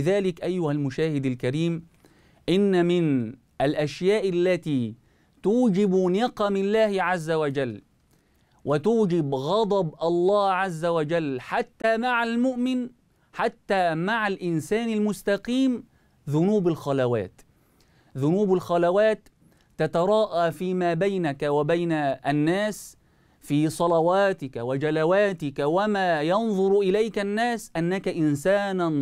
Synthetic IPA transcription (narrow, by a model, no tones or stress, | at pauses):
ðaːlɪkʔajːʊhalmʊʃaːhɪd̪alkaɾiːm | ʔɪnːamɪn | ʔalʔaʃjaːʔalːat̪iː | t̪uːd͡ʒɪbnɪqɑmɪnlːaːhɪʕazːawad͡ʒalː | wʔɪt̪uːd͡ʒɪbɣɑd̪ˤɑbʔɑlˤːɑːʕazːawad͡ʒalːħat̪ːaːmaʕalmʊʔmɪn | ħat̪ːaːmaʕalʔɪnsaːnalmʊst̪ɑqiːm | ðʊnuːbalxɑlawa̰ːt̪ | ðʊnuːbalxɑlawaːt̪ː | at̪ɑɾˤɑːʔaːfiːmaːbajnakawabajnaʔanːaːs | fiːsˤɑlɑwaːt̪ɪkawad͡ʒalawaːt̪ɪkawamaːjɑnðˤʊɾʔɪlajkanːaːsʔanːakaʔɪnsaːn